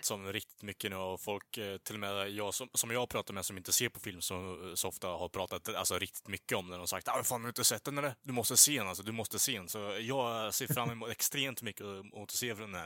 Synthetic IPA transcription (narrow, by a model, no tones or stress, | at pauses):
sɔmɾɪk̚t̪ɪt̪mʏkːənʉːɔfɔlkt̪ʰɪlɔmɛjɑːɡsɔsɔmjɑːpʰɾɑːt̪at̪mɛsɔmɪnt̪əseːɾpʰɔfɪlmsɔmsɔɔft̪ahaɾpʰɾɑːt̪at̪alsɔɾɪk̚t̪ɪ̥t̪mʏkːəɔmnæɖɔmsa̰k̚t̪aɛfaːnd̪ɵɪnt̪əsɛt̪ːɛnɛɖɛd̪ɵmɔst̪əseːdɛnalsɔd̪ɵmɔst̪əseːɛnsɔjɑːɡseːɾfɾamːɪmuːt̪ɛkst̪ɾeːmt̪mʏkːəmut̪ːəseːfɾɔɛnæ̰ɾ